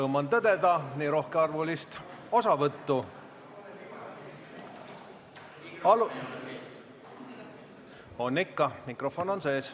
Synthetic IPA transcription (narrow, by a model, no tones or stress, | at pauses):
ɤwmɑnt̪ɤd̪e̞d̪ɑniːɾo̞hkeɑrvulist̪ | o̞sɑvɤt̪ːu | ɑl | o̞nːikːɑmikro̞fo̞no̞nse̞ːs